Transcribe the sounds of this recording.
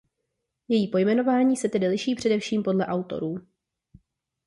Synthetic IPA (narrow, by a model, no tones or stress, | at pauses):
jɛjiːpo̞jmɛno̞vaːɲiːsɛt̪ɛdɪlɪʃiːpr̝̥ɛdɛfʃiːmpo̞dlɛʔawt̪o̞̰ɾuː